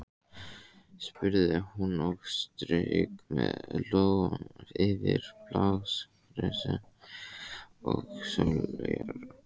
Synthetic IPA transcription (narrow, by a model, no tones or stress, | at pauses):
spʏɾðɪhunɔɣst̪ɾœkmɛðlɔɣanaɾɪvɪɾplaws | ɾɛsa | ɔɣsœlœjaɾ